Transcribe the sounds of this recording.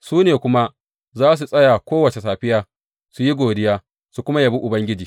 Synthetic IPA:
suː˦neː˨kʷʊ˦ma˦ | zaː˦s̬u˨sʼɐ˦ja˨kʷoː˦wɐ˨t͡ʃe˨saː˨ɸɪ˦jaː˦ | su˨ji˦ɡʷoː˨dɪ˦jaː˦ | su˨kʷʊ˦ma˦ja˨bu˦ʔʊ˨bɐ˦ŋɡʲɪ˦d͡ʒiː˨

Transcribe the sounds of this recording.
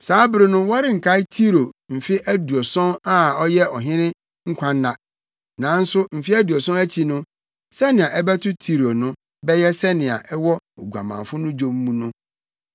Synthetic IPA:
saː˨˦bɾɪ˨˦nʊ̃˦wɔ˦ɾɪ˦ŋ̩˨kʰa˦ɪ˦tʰi˦ɾo˨m̩˨fɪ˦ʔæ˦du˨ɔ˨sɔ̃˦na˦ɔ˦jɛ˦ɔ˨ɦɪ̃˦ɾɪ̃˦ | ŋ̩˦kʷʰã˦nː˦a˨ | nã˨˦n̩˦sʊ˦m̩˨fi˦æ˦du˨ɔ˨sɔ̃˦æ˦t͡ɕʰi˨nʊ̃˦ | sɛ˦nɪ̃˨a˨ʔɛ˦bɛ˦tʰʊ˦tʰi˦ɾo˨nʊ̃˦ | bɛ˦jɛ˦sɛ˦nɪ̃˨a̰˨ʔɛ˦wɔ˦o˨ɡu˨a̰˨mã̰˨fʊ˦nʊ̃˦d͡ʑo˦m̩˦mũ˦nʊ̃˦

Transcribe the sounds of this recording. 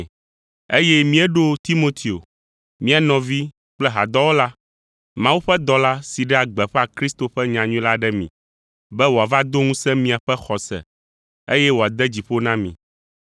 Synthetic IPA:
e˦jɛ˦mĩ˦ɛ˦ɖo˦t̪i˦mo˦t̪ʰi˨o̰˨ | mĩ˦a˨nɔ̃˨vi˦ | k͡plɛ˦ɦa̰˨d̪ɔ˦wo˦la˦ | mã˨˦wu˦ɸɛ˦d̪ɔ˨la˦si˨ɖɛ˦a˨ɡ͡bɛ˨ɸɛ˦a˨kɾi˦st̪o˨ɸɛ˦ɲã˨ɲũ˦la˦ɖɛ˦mḭ̃˨ | bɛ˦wo˨a˨va˦d̪o˦ŋũ˦sɛ̃˦mĩ˨a˨ɸɛ˦xɔ˨sɛ̰˨ | e˦jɛ˦wo˨a˨d̪ɛ˦d͡ʑi˨ɸo˦nã˦mḭ̃˨

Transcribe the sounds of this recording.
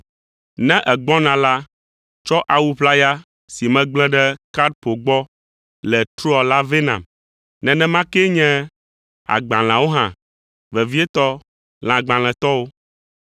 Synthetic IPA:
nɛ̃˦ʔɛ˨ɡ͡bɔ̃˦nã˨la˦ | t͡ʃɔ˦ʔa˨wu˦ɸla˦ja˦ | si˨mɛ̃˦ɡ͡blɛ̃˦ɖɛ˦ka˦d̪̚po˨ɡ͡bɔ˦ | lɛ˨t̪ɾu˦a˨la˦ve˦nã̰˨m | nɛ̃˨nɛ̃˦mã˦kɛ˦ɲɛ̃˦ | a̰˨ɡ͡bã˨l̃ã˨wo˦ɦã̰˨ | vɛ˨vi˦ɛ˦t̪ɔ˦ | l̃ã˨ɡ͡bã˨l̃ɛ̃˨t̪ɔ˦wo˦

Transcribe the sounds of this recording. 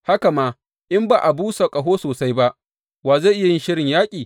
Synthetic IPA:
ha˦ka˨maː˦ | ʔɪ˦mbaː˨ʔa˨buː˦sa˨kʼɐ˨ɦoː˦soː˨sa˦jba˦ʔ | waː˨ze˦˨ʔɪ˦ja˦˨jɪ˦nʃɪ˦ɽɪ˨ɲjaː˦kʲʼiː˨

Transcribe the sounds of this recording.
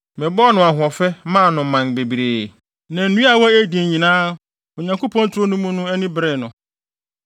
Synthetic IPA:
mɛ̃˨bɔ˦nʊ̃˨a˨ɦʊ̃˨ɔ˨fɛ˦mã˦˨nʊ̃˨m̩˨mã˨nbe˨bi˨ɾeː˨ | nɛ̃˨n̩˨nũ˦a˨wɔ˦e˦di˨ɲĩ˨nãː˦ | o˨ɲã˨ŋkʰo˦pʰɔ̃˦n˦tʰʊ˦nũ˦mũ˦nʊ̃˦ɛ˦nɪ̃˦bɾɛ˨nʊ̃˨

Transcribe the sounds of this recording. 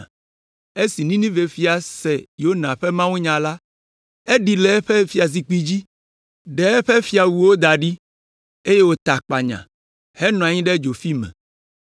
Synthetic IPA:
e˦si˨nĩ˦nĩ˦ve˨fi˦a˨sɛ˨jo˦nã˨ɸɛ˦mã˦wũ˦ɲã˨la˦ | e˦ɖi˨lɛ˨˦ɸe˦fi˦a˨s̬i˨k͡pi˦d͡ʑi˦ | ɖɛ˨˦ɸe˦fi˦a˨wu˨wo˦d̪a˨ɖi˦ | e˦je˦wo˦t̪a˨k͡pa˨ɲã̰˨ | hɛ˦nɔ̃˨a˨ɲĩ˦ɖɛ˦d͡ʒo˨fi˦mɛ̰̃˨

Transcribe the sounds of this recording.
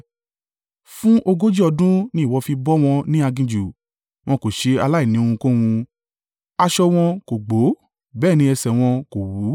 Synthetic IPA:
fũ˦ʔo˧ɡo˦d͡ʒi˦ɔ˧dũ˦nĩ˦˨wɔ˧fi˧bɔ˦w̃ɔ̃˧nĩ˦a˧ɡĩ˧d͡ʒu˨ | w̃ɔ̃˧ko˨ʃe˧a˧la˦i˦˨nĩ˨o˧hũ˧ko˦wũ˧ | a˧ʃɔ˧w̃ɔ̃˧ko˨ɡ͡bo˨˦ | bɛː˦˨nĩ˧ɛ˧sɛ˨w̃ɔ̃˧ko˨wu˨˦

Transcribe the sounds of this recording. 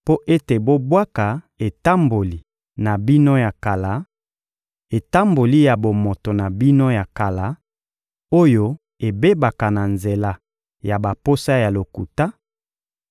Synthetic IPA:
po˦ʔe˦te˨bo˦bwa˦ka˨ | e˨ta˦mbo˨li˨ | na˨bi˦no˦ja˨ka˨la˨˦ | e˨ta˦mbo˨li˦ja˨bo˨mo˨to˨na˨bi˦no˦ja˨ka˨la˨˦ | o˦jo˦ | e˨be˦ba˨ka˨na˨nze˨la˨ | ja˨ba˨po˦sa˦ja˨lo˨ku˨ta˦

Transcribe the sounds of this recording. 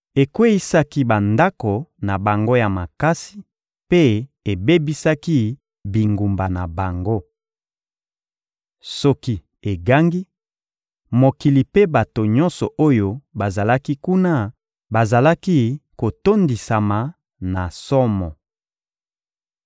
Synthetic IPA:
e˨kwe˦i˦sa˦ki˦ba˨nda˦ko˨na˨ba˨ŋɡo˦ja˨ma˨ka˦si̥˦ | pe˦e˨be˦bi˦sa˦ki˦ | bi˨ŋɡu˨mba˨na˨ba˨ŋɡo˦ | sɔ˦ki˦ | e˨ɡa˦ŋɡi˦ | mo˨ki˨li˨pe˦ba˨to˨ɲɔ̃˦nsɔ˨ʔo˦jo˦ba˨za˨la˦ki˦ku˦na˦ | ba˨za˨la˦ki˦ko˨to˦ndi˨sa˨ma˨ | na˨sɔ˦mɔ˨

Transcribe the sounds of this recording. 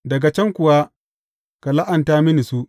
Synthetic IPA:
dɐ˨ɡa˨t͡ʃɛ˦ŋkʷʊ˨wa˦ | ka˨la˦ʔa˨ntaː˦mɪ˦ni˨su˦

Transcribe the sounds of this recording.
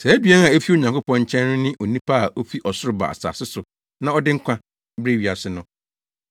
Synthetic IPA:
sæ˨æ˦bi˨˦ɛ˦n˦a˨e˦fi˦o˨ɲã˨ŋkʰʊ˦pɔ̃˦ɲ˦t͡ɕʰɛ̃˦nː˦ʊ̃˦nɪ̃˦ʔo˨nĩ˦pʰa˦a˨ʔo˦fi˦ʔɔ˨sʊ˦ɾʊ˨ba̰˨a̰˨sa̰ː˨sɪ˦sʊ˨ | nã˦ɔ˦dɪ˦ŋ̩˦kʷʰã˦ | bɾe˦˨ɥi˨a˨sɪ˨nʊ̃˦

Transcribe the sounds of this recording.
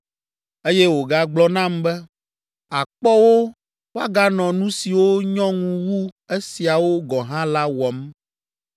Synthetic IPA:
e˦jɛ˦wo˨ɡa˦ɡ͡blɔ˦nã˦mbɛ˦ | a˨k͡pɔ˦wo˦ | wo˦a˦ɡa˦nɔ̃˨nũ˦si˨wo˦ɲɔ̃˦ŋũ˦wu˦e˦si˨a˨wo˦ɡɔ˨ɦã˦la˦wɔ˨m

